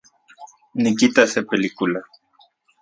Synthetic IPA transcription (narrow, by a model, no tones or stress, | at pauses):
nikit̪asepelikula